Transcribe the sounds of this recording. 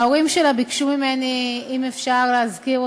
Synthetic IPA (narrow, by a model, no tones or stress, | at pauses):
aoʁimʃelabikʃumimeniimefʃaʁleazkiʁ